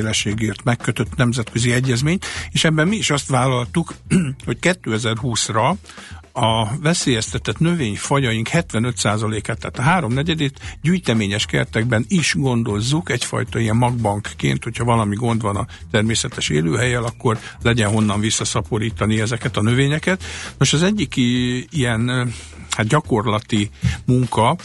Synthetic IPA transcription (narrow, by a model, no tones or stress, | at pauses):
lɛʃeːɡeːrt̪mɛkːøt̪ø̞t̪nɛmzɛt̪køziɛɟːɛzmeːɲt̪eːʃɛbːɛmmiːʃɒst̪ʋaːlɒlt̪ukho̞ckɛt̪ːøːɛzɛrɦuːsrɒ | ɒvɛseːjɛst̪ɛt̪ɛt̪nø̞veːɲfɒjɒjiŋkhɛt̪ʋɛnø̞t̪saːzɒleːkaːt̪ːɛːt̪ɒɦaːɾo̞mnɛɟɛd̪it̪ɟyːjt̪ɛmeːɲɛʃkɛ̰rt̪ɛɡ̚bɛniʃɡo̞nd̪o̞zːukɛcfɒ̰jt̪ɒijɛmmɒɡ̚bɒŋkːḛːnt̪ho̞cʰhɒvɒlɒmiɡo̞nd̪ʋɒnɒt̪ɛrmeːsɛt̪ɛʃḛːlø̰ːɦɛjɛlɒkːo̞rlɛɟɛnɦo̞nːɒɱvisːɒsɒpo̞ɾiːt̪ɒniɛzɛkɛt̪ɒnø̞veːɲɛkɛt̪no̞ʃɒzɛɟːikijɛn | hat̪ɟɒko̞rlɒt̪imuŋkɒ